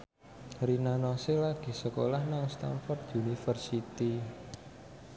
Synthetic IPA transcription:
rinanɔselaɡ̥i̤səkolahnaŋst̪a̰nfɔrt̪unifərsit̪i

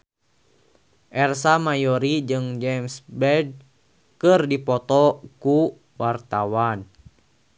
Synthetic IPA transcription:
ʔɛrsamajɔɾid͡ʒɨŋd͡ʒɛmsbɛd̚ | kɨrdipɔt̪ɔku | wart̪awan

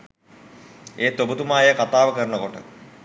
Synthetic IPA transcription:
eːt̪obut̪umaːjəkat̪aːʋəkəɾnəkoʈə̰

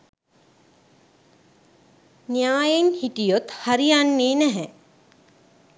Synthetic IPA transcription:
nijaːjenhiʈijot̪haɾijanːeːnɛɦɛ

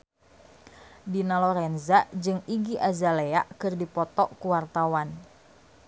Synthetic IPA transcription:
dinalɔɾɛnzad͡ʒɨŋiɡiʔazaleaʔkɨrdipɔt̪ɔʔkuwart̪awan

